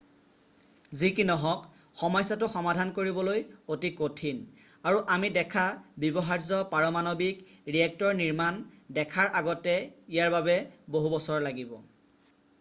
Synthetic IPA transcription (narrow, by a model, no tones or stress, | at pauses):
zikinɔɦɔk | xɔmɔjsatʊxɔmadʱankoɹibɔlojotikotʰin | aɹuʔamidɛkʰabibɔɦaɹzɔpaɹɔmanobikɹiɛk̚tɔɹniɹmandɛkʰaɹʔaɡɔtɛijaɹbabɛboɦubɔsɔɹlaɡibɔ